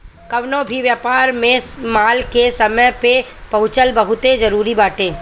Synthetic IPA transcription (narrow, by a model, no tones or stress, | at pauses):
kɐʋnõbʱiʋjaːpaːɾmẽmaːlkesɐməjpe | pɐɦʊt͡ʃəlbɐɦʊt̪ezɐɾuːɾibaːʈẽː